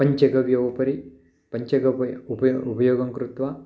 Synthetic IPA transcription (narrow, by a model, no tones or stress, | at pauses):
ɐɲt͡ʃɐɡɐʋjoːʋɐpɐɾi | pɐɲt͡ʃɐɡɐupɐupɐjoːɡɐŋkɾut̪ʋa